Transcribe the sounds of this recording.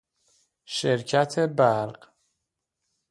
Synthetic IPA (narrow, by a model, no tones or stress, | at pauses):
ʃeɾcʰæt̪ʰebæɾɢ̥